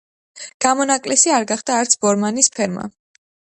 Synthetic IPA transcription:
ɡ̥amɔnakʼlɛsiaɾɡaχd̪aːɾt̪sʰbɔɾmanispʰɛɾma̰

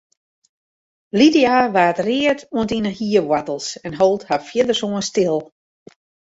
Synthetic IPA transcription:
lidijaʋaːtrɪətuəntinəhiəʋwatəl̩ˠsɛnɦolˠthafjɪdərsuənstɪlˠ

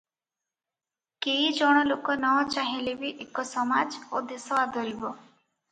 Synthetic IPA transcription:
keid͡ʒɔɽ̃ɔlokɔnɔt͡ʃaɦilebiʔekɔsɔmad͡ʒod̪esɔad̪ʱɔɾibɔ

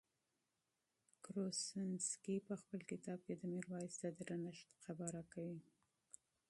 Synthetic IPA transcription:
kɾosɪnskipəxpəlkɪt̪ɑb̚ked̪əmiɾwɑjɪsd̪ad̪əɾanaʃt̪qabɑɾakawi

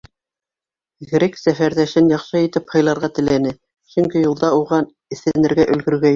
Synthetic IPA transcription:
ɡɘ̆ɾiksæfæɾðæʃɘnjɑχʃɤit̪ɘphɤ̆jlˠɑɾʁɑt̪ɘ̆lænɘ | ʃɵŋkijulˠd̪ɑuʁɑn | ɘ̆θænɘ̆ɾɡæʔɵ̆lɡɵ̆ɾɡæ

